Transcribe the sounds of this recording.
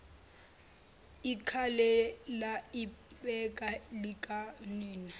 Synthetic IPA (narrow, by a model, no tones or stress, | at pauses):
ikʰalɛlaɪɓɛkʼalikʼaniːna